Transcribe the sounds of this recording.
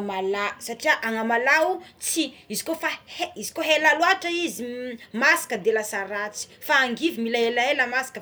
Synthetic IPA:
malasaʈ͡ʂiaʔaŋamalaut͡siizi̥kofaheizi̥koɦelaluaʈ͡ʂaizimasi̥kəd̪elasaɾat͡si̥faːŋɡivimilaelaeləmasi̥kə

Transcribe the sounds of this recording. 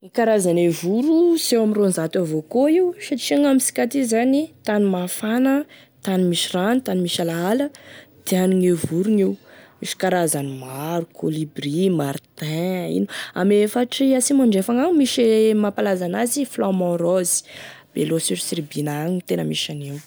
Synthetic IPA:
nikaɾazanevuɾusewamironzat̪avokoiwʃat͡ʃiaŋamisi̥kʲat̪izanit̪animafanə | t̪animiʃiranit̪animiʃalaaləd̪̥eaniŋevuɾuniwmiʃi̥kaɾazanimaɾukʰolibrimaɾt̪ɛ̃ḭnua̰mefaʈ͡ʂiasimaɳɖ͡ʐefaŋamiʃemapalazanaziflɔmɔ̃rɔzi̥b̥elosiɾisiɾibinaŋit̪enəmiʃaniw

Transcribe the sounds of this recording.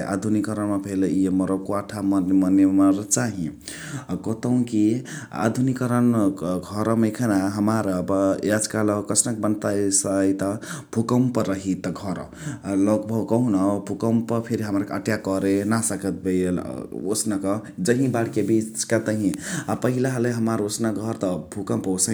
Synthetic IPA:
ʔa̰d̪ʱunikʌɾənmapʰeleiemʌɾəkoaʈʰamʌnmənemaɾt͡ʃaɦĩ | kot̪əw̃kia̰d̪ʱunikəɾənɡʱʌɾmekʰənaɦəmaɾʌbʌad͡zkaləkʌsʰnak̚bənt̪asəjt̪ʌb̥ʱukəmpʌɾʌɦit̪ʌɡʱʌɾ | lʌk̚bʱʌwkʌɦũnʌbʱukəmpʌpʰeɾiɦəmaɾəʈjakʌɾenasʌkət̪̚bejo̰snakʌd͡ʒʌɦĩbaɽkebit͡skat̪ʌɦĩapʌɦilaɦleɦəmaɾosnaɡʱʌɾt̪ʌbʱukʌmpwsə

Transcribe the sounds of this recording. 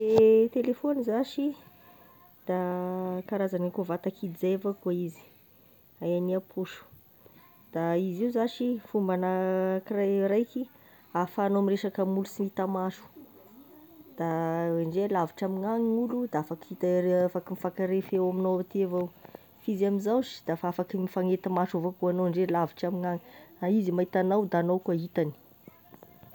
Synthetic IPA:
et̪elefonizaʃi | d̪̥akaɾazanakovat̪akʰid̪izevakaizi̥ | ajaniapʰuʃu̥ | d̪̥aiziuzaʃifumbanəkirajɾajki | afanoamireʃakəmulusimit̪amaʃu̥ | d̪̥aeɳɖ͡ʐelaviʈ͡ʂamiŋaŋiulud̪aafakit̪aafakimifakaɾefewaminowat̪ievaw | fizaminzawsi̥d̪̥afaafakimifaŋet̪amaʈ͡ʂavokuanoaɳɖ͡ʐelaviʈ͡ʂamiŋaŋiaizimait̪anawd̪anowkait̪ani̥

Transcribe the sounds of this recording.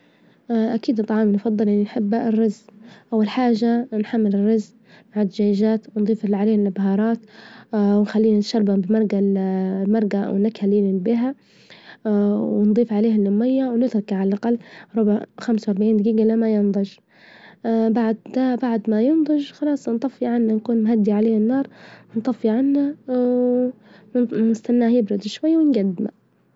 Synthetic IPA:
ʔakiːd̪t̪ˤːɑʕɑːmnfɑd̪ˤːɨlʔɪnːinħɪbːrːɑzʔʔawːalħaːʒanħamːɪlɪrːɑz | maʕad̪d͡ʒaːjʒaːt̪wnd̪ˤiːfʕaleːhɪlːabhɑːɾˤɑːt̪ | wnxalːiːnt̪aʃɑɾˤbabɪmɑɾˤɡalmɑɾˤɡa̰wnakhaliːnɪbɪɦa | wɪnd̪ˤiːfʕaleːhalːʊmːɪjːawnɪt̪ɾˤɑkaʕalalʔaqɑlːɾˤʊbxamsawɑɾˤbaʕiːnd̪ɡiːɡalamːajɪnd̪ˤɑd͡ʒ | baʕd̪d̪abaʕd̪majɪnd̪ˤɑʒxɑlɑːsˤnt̪ˤɑfːiʕanːankuːnmɦad̪ːiʕaleːhanːɑːɾˤnt̪ˤɑfːiʕanːa | nɪst̪anːaːhjɪbɾʊd̪ʃwajːawɪnɡad̪ːɪma̰

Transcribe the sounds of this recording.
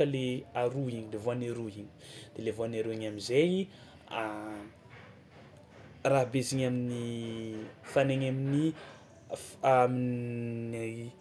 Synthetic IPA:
əleaɾuiɲilevoaneɾuiɲi̥d̪̥elevoaneɾuiɲamizeji | a | raɦbeziɲamini | faneɲamini | amin | a

